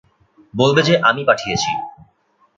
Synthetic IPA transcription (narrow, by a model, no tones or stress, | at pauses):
bolbed͡ʑeʔamipaʈʰijet͡ɕʰḭ